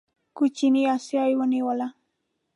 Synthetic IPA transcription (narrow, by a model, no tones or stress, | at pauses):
kʊt͡ʃiniasiajwaniwala